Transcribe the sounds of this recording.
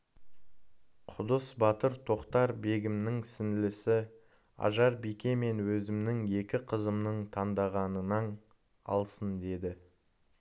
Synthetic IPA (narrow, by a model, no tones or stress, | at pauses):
qʰʊd̪əsbɑt̪əɾt̪ʰo̞qt̪ɑɾbe̞ɡʲɪmnɪŋsɪnɪlɪsɪ | ɑ̰ʒɑɾbijkʲe̞me̞nwɵzɪmnɪŋe̞kʲɪqʰəzəmnəɴt̪ʰɑnd̪ɑʁɑnənɑn | ɑ̰lˠsənd̪e̞d̪ɪ